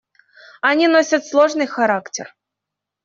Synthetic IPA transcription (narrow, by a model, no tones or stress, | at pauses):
ɐnʲinosʲɐt̪slˠoʐnɨjxɐɾaktʲɪ̰r